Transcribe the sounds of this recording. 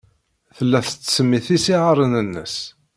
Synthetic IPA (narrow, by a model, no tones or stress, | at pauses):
θəlːæθət͡sːsəmːiθisiʁəɾˤənənːə̰s